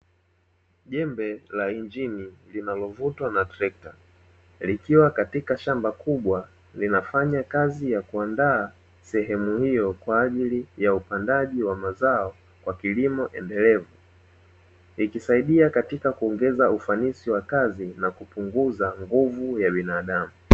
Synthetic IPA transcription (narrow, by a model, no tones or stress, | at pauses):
ʄɛmbɛlaind͡ʒinilinalɔvutwanatɾɛk̚ta | likiwakatikaʃambakʰuɓwa | linafaɲakazijakuandaː | sɛɦɛmuhijɔkwaːʄilijaupandaʄiwamazaɔ | kwakilimɔʔɛ̰ndɛlɛvu | ikisaiɗiakatikakuɔŋɡɛzaufanisiwakazinakupuŋɡuzaŋɡuvujaɓinaːɗamu